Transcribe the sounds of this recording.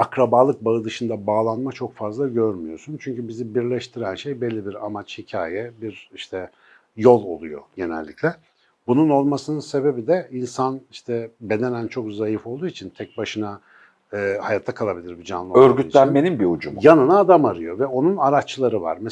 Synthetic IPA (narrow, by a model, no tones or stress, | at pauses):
akɾabaːlˠɯk̚baɯd̪ɯʃɯnd̪abaːlˠanmat͡ʃʰo̞kfazlˠaɟøɾmyjo̞sunt͡ʃʰyɲcybizibiɾlʲɛʃt̪ʰiɾænʃe̞jbelʲːibiɾa̰mat͡ʃhicʰa̰ːjɛbiɾiʃt̪ʰɛ | jo̞lˠo̞̰lˠujo̞̰ɟe̞nɛ̰lʲːicʰlʲɛ | bununo̞lˠmasɯnɯnse̞be̞bid̪ɛinsaniʃt̪ʰɛbe̞d̪e̞nænt͡ʃʰo̞kzajifo̞lˠd̪uːit͡ʃʰint̪ʰɛc̚baʃɯna | ɯːhajat̪ʰːakʰalˠabilʲiɾbid͡ʒa̰nˠɯøɾɡyt̪lʲænmenimbiud͡ʒumjanɯnaːd̪amaɾɯjo̞vɛo̞nunaɾat͡ʃlˠaɾɯva̰ɾmɛ